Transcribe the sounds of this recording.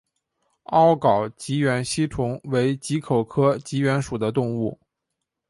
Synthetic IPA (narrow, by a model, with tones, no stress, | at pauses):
ɑ˥ʊkɑ˨˩ʊt͡ɕi˧˥ɥɛ˧˥nɕi˥ʈ͡ʂʰʊ˧˥ŋwe˧˥ɪt͡ɕi˧˥kʰo˨˩ʊkʰɤ˥t͡ɕi˧˥ɥɛ˧˥nʂu˨˩d̪ə˦t̪ʊ˥˧ŋu˥˩